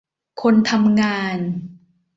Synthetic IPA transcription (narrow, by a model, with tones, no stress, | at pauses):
kʰo˧nt̪ʰa˧mŋaː˧n